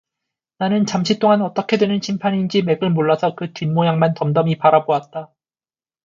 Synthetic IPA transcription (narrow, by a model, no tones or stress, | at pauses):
nanɯnt͡ɕamɕʰit͈oŋanʌt͈ʌkʰe̞dwe̞nɯnɕʰimpʰaɲind͡ʑime̞ɡɯɭmoɭːasʰʌkɯtɥinmojaŋmantʌmdʌmipaɾaboat̚t͈a